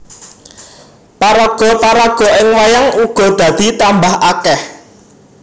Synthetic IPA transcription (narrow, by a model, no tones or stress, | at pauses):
paɾaɡ̥ɔ̤paɾaɡ̥ɔ̤ʔɪŋwajaŋuɡ̥ɔ̤d̪̥ä̤d̪̥i̤t̪ambahʔakɛh